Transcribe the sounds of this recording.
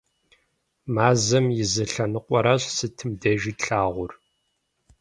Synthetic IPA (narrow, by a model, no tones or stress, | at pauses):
maːzɐmjɪzɐɬɐnɨqʷʼɔɾaɕsɨtʰɨmdɐʒiːtɬaːʁʷʊr